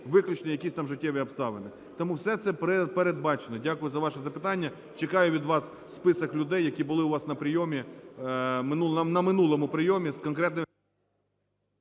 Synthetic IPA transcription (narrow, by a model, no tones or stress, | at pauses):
ʋɪklʲʊt͡ʃʲnijɐkʲisʲt̪ɑmʒɪtʲːɛʋʲiɐpst̪ɑʋenɪ | t̪ɔmuwsɛt̪sɛpɾpeɾed̪̚bɑt͡ʃenɔdʲakʊjʊzɐʋɑʃɛzɐpɪ̥t̪ɑnʲːɐ | t͡ʃekɑjʊʋʲid̪ʋɑs | spɪsɐklʲʊd̪ɛjːɐkʲibʊlˠɪʊʋɑsnɐpɾɪjɔmʲi | mɪnuɐnɐmɪnulˠɔmʊpɾɪjɔmʲiskɔnkɾɛt̪nɪ